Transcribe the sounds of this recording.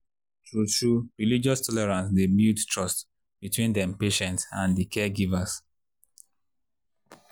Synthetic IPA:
tɹutɹuɹilid͡ʒɔstʰɔlɛɹãns̬debildtʰɹɔst | b̥itwĩndɛ̃mpeʃɛ̃ntsãndikʰɛɡivas

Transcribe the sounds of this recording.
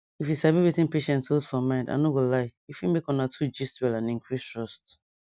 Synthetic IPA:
ifjisabiwitĩnpeʃɛ̃ntosfɔmãnda̰nowillaɪifimekɔ̃natʰud͡ʒistwɛlãnĩŋkʰɹistɹɔst

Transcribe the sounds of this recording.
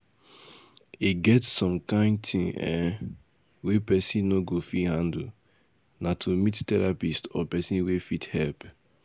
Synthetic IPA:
iɡɛtsɔ̃mkãɪ̃ndtʰĩŋɛ̰ | wepɛsĩnnoɡofihãnd̩ | natʰomittɛɹapistɔpɛsĩnwefithɛlp

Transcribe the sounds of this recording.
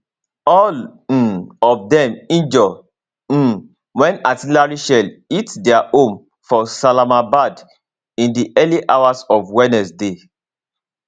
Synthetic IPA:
ɔl | ɔfdɛ̃mĩnd͡ʒɔ̃ | wɛ̃natilaɹiʃɛlitdɛaʔõm | fɔsalamabad | ĩndiʔɛliʔawasɔvwɛnɛsde

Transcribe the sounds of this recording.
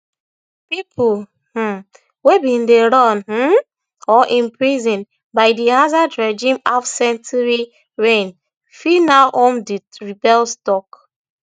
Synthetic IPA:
pipʰul | h̩ | webĩndeɹɔ̃nh̩ | ɔʔĩnpɹizĩn | baɪdihazadɹɛd͡ʒĩmafsɛ̃ntuɹi | ɹẽn | finaʔõmdiɹibɛlstɔk

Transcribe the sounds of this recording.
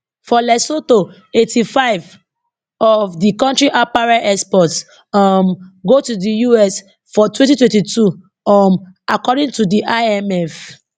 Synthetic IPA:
fɔlɛsoto | etʰifaɪv | ɔvdikɔ̃ntɹiʔapaɹaʔɛspɔts | mɡotudijuɛs | fɔtwɛ̃ntitwɛ̃ntitʰu | makɔdĩŋtudiʔaɛmɛf

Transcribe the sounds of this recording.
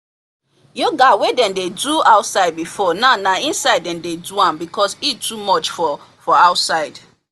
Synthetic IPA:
joɡawedɛ̃ndeduaʊtsaɪd̚bifɔnaʊnaĩnsaɪdɛ̃ndeduãmbikʰɔsitʰːumɔt͡ʃfɔ | fɔaʊtsaɪd

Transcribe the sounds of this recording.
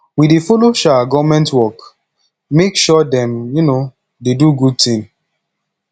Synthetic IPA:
widefoloʃaɡɔmɛ̃ntwɔk | mekʃɔdɛ̃mjuno | deduɡud̚tĩŋ

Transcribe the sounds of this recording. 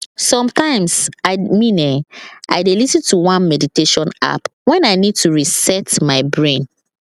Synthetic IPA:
sɔ̃mtãɪ̃msaɪmĩnɛʔa̰ɪdelisĩntuwãnmɛditeʃɔ̃na̰pwɛ̃naɪnid̚tuɹisɛtmaɪbɹẽn

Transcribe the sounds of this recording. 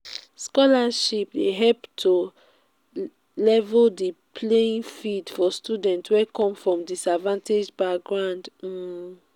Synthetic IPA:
skɔlaʃipdeɦɛlptʰo | lɛvldipʰleĩnfidfɔstudɛ̃ntwɛkɔ̃mfɹɔ̃mdisadvãnted͡ʒbaɡɹãʊnd̩

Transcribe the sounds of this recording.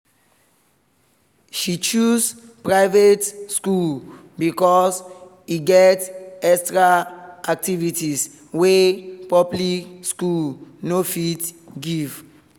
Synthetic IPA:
ʃit͡ʃus | pɹaɪvetskul | bikɔs | iɡɛtɛstɹaak̚tivitis | wepɔplikskulnofitɡiv̥

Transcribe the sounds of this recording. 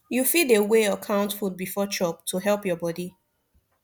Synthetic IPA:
jufideweɔkʰãʊ̃ntfut̚bifɔt͡ʃɔp̚tʰuɦɛlpjɔbɔdi

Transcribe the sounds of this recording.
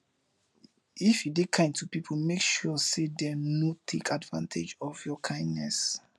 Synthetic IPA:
ifjidekʰãɪ̃ndtʰupipʰmekʃɔsedɛnotʰekʰadvã̰ntʰed͡ʒɔvjɔkʰãɪ̃ndnɛs

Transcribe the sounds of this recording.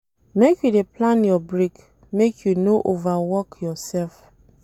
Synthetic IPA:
mekjudeplãnjɔbɹik | mekʰjunoʔovawɔkjɔsɛlf

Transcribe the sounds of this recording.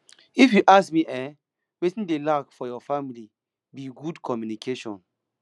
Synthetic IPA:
ifjuʔasmiʔɛ | wetĩndelakfɔjɔfamili | biɡudkʰɔmjunikʰeʃɔ̰̃n

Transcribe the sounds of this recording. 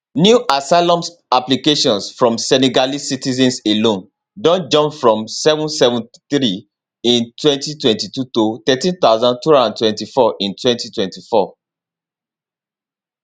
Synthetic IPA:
njuʔasaɪlɔ̃ms | aplikeʃɔ̃nsfɹɔ̃msɛniɡalisitizɛ̃nselõn | dɔ̃nd͡ʒɔ̃mpfɹɔ̃msɛvũnsɛvũnθɹi | ĩntwɛ̃ntitwɛ̃ntitutot̪ɛtĩnθaʊzãntuãnãntwɛ̃ntifɔʔĩntwɛ̃ntitwɛ̃ntifɔ

